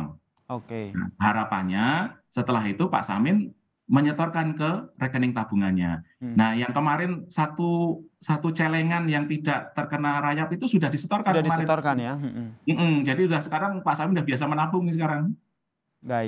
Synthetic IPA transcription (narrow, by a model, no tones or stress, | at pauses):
ŋ | okea̰haɾapa̰ɲasət̪əlaɦit̪upa̰ʔsa̰mɪn | məɲət̪ɔrkankərekənɪŋt̪ab̥uŋanɲa̰nahjaŋkəmaɾɪnsat̪usat̪ut͡ʃeleŋanjaŋt̪idaʔt̪ərkənaɾajapit̪usudahdisət̪ɔrkanəmaɾɪnnjm̩ʔm̩d͡ʒadiudahsəkaɾaŋpaʔsamɪnudahbias̬amənabʊŋisəkaɾaŋ | ba